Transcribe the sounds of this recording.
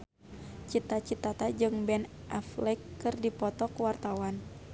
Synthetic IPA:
t͡ʃit̪at͡ʃit̪at̪ad͡ʒɨŋbɛn | ʔaflɛkːɨrdipɔt̪ɔkuwart̪awan

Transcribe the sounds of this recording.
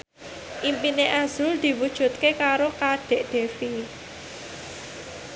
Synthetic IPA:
ʔimpineʔaz̥ʊld̪̥i̤wud̥ʒ̥ṳt̪̚kekaɾokaɖ̥e̤ʔd̪̥e̤fi

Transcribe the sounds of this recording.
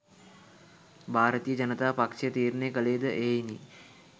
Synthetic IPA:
bʱaːɾət̪ijəd͡ʒɐnət̪aːpakʂijət̪iːɾnejkəleːd̪əʔeːjini

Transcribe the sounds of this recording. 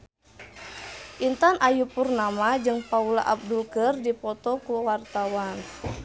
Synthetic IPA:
ʔint̪anʔajupurnamad͡ʒɨŋpaula̰ʔab̚dulkərdipɔt̪ɔkuwart̪awan

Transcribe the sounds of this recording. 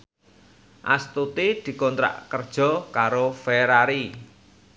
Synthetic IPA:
ʔa̰st̪ut̪id̪̥i̤kɔnt̪ɾa̰ʔkərd̥ʒ̥ɔ̤kaɾofeɾaɾi

